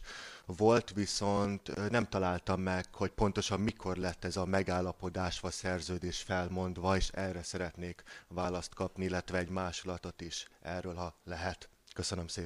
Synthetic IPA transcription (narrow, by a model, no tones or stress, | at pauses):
vo̞lt̪ʋiso̞nt̪nɛmt̪ɒlaːlt̪ɒmːɛkho̞cpo̞n̪t̪o̞ʃɒmːikʰo̞rlɛt̪ːɛzɒmɛɡaːlːɒpo̞d̪aːʃʋɒsɛrzøːd̪eːʃfɛlmo̞nd̪ʋɒeːʃɛrːɛsɛɾɛt̪neːkʋaːlɒst̪kɒpniilːɛt̪ʋɛːɟmaːʃulɒt̪ot̪iʃʔɛrːøːlɦɒlɛɦɛt̪køsønømseː